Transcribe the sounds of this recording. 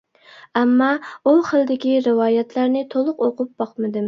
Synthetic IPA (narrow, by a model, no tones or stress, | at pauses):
ɛmːɑuχəlˠd̪ɪkʲiɾɨwɑːjɛt̪ʰlæɾnɪt̪ʰolˠʊqoqʊp̚b̥ɑqmɨd̪ɨm